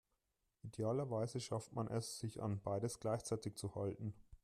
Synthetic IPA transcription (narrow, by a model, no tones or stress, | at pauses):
ʔideaːlɐvaɪzəʃaftmanʔɛsz̥ɪça̰nbaɪdəsɡ̥laɪçt͡saɪtɪkt͡suhaltn̩